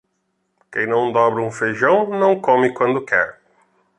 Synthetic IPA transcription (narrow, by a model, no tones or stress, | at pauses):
kẽj̃nɐ̃w̃d̪ɔbɾɪũfeʒɐ̃w̃nɐ̃w̃kõmɪkwɐ̃nd̪ʊkʰɛɾ